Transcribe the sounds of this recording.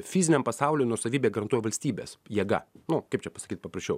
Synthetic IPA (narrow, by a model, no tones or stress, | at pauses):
fʲɪzʲɪnʲɛmpɐsɑʊlʲeːnuɔsɐʋʲiːbʲeːɡɐɾɐnt̪uɔjɛʋɐlʲsʲt̪ʲiːbʲḛsjiɛɡɐ̰nʊkɐɪpt͡ʃʲɛpɐsɐ̥kʲiːt̪pɐprɐsʲt͡ʃʲɛʊ